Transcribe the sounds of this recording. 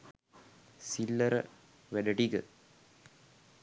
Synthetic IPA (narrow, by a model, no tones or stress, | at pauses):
silːɐɾə̰ | ʋæɖəʈiɡə